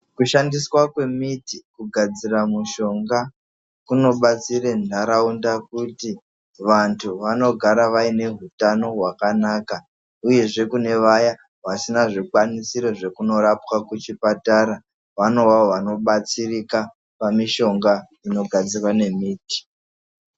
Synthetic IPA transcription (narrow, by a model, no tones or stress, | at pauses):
kuʃandiswakwe̞mitikuɡʱad͡ziramuʃo̞ŋɡa | kuno̞ɓat͡siɾendaɾaundak̚uti | ʋantʰuʋano̞ɡʱaɾaʋaine̞ɦutano̞ɦwakanaːka | uje̞ʐe̞kune̞ʋaja | ʋasinaʐikwanisiɾoʐe̞kuno̞ɾapwakut͡ʃipataɾa | ʋano̞waoʋano̞ɓat͡sirika | pamiʃo̞ŋɡa | ino̞ɡʱad͡zirwane̞miːti̥